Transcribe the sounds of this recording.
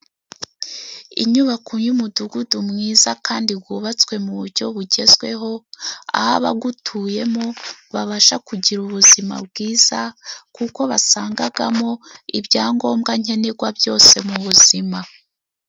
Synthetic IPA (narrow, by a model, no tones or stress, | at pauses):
ḭɲuβakuɲumuduɡudumŋiːzakaːndiɡɡuβat͡swe̞muβuɾɟo̞βuɟe̞zwe̞̰ɦo̞a̰haβaɡutʰuje̞mo̞βaβaʃakuɟiɾuβuzima̰bɡiːz̥akuko̞βasaːŋɡaɡamo̞ibɟaːŋɡo̞ːmɡaɲ̥e̞neɡwabjo̞ːse̞muβuzima